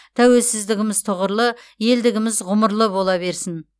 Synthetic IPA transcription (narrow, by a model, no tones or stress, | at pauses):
t̪ʰæwe̞lsɪzd̪ɪɡʲɪmɪzt̪ʰoʁəɾlˠə | je̞ld̪ɪɡʲɪmɪzʁʊməɾlˠəbo̞lˠɑbe̞ɾsɪn